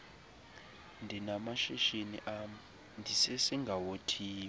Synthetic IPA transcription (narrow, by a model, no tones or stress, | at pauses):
ndʱinamaʃiʃiniʔam | ndʱisesiŋɡʱawotʰiː